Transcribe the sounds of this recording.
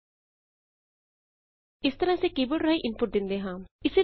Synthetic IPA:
ɪst̪əɾãsekibəɽɾaːiʔɪnpʊʈ̚d̪ɪnd̪eːɦãːɪse

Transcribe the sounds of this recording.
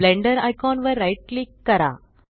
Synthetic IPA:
lɛ̃ɳɖəɾaɪkɔ̃ːnʋəɾːaɪʈlikɐɾa̰ː

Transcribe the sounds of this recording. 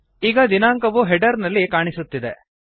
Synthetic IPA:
iːɡɐd̪inaːŋkɐʋuɦɛɖɐɾnɐlːikaːɳisut̪ːid̪e

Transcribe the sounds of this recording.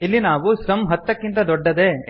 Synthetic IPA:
ilːinaːʋusɐmɦɐt̪ːɐkːint̪ɐd̪ɔɖːɐd̪e̞ː

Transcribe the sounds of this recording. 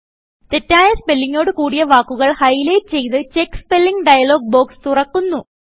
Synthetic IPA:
t̪e̞tːaːjɐspelːiŋːo̞ːɽɨkuːɽijɐʋaːkːuɣɐɭhɐjlɐjtɨt͡ɕe̞jt̪ɨt͡ɕekːspe̞lːiŋɡɖɐjɐlo̞ːɡ̚bo̞ːkst̪urɐkːunːu

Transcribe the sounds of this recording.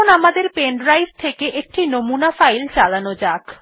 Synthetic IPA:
onamad̪eɾpenɖɾajst̪ʰekeʔek̚ʈinomunafajlt͡ɕalanod͡ʑak

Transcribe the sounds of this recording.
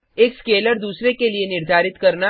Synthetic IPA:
eːkskeːləɾd̪uːsɾekelienɪɾd̪ʱaːɾɪt̪kɐɾna

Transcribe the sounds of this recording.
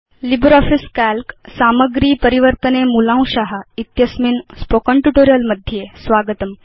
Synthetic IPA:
libɾɔfiskælksaməɡɾiːpəɾiʋəɾt̪ənemulãw̃ɕaɦait̪jəsminspokəɳʈjuʈoɾijəlməd̪ʱjesʋaɡət̪əm

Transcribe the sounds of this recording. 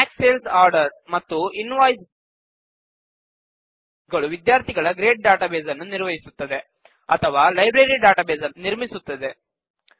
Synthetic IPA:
aːkseːlsaːɾɖɐɾmɐt̪ːuinʋaːjs | ɡɐɭuʋid̪jaːɾt̪iɡɐɭɐɡɾeːʈ̚ɖaːʈaːbeːzɐnːuniɾʋɐɦisut̪ːɐd̪e̞ | ɐ̰t̪ʰɐʋaːlɐjbɾeɾiɖaːʈaːbeːzɐnniɾmisut̪ːɐd̪e

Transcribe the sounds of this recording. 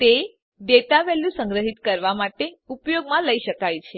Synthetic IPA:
t̪e | d̪et̪aʋɛlũsəŋɡɾəɦit̪kəɾʋamaʈeupjoɡmãləiʃəkajt͡ʃʰe

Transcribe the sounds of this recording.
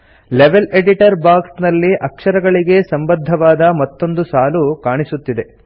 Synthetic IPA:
leʋe̞leɖiʈɐɾbaːksnɐlːiʔɐkʂɐɾɐɡɐɭiɡe̞sɐmbɐd̪ʱːɐʋaːd̪ɐmɐt̪ːo̞nd̪usaːlukaːɳisut̪ːid̪e̞

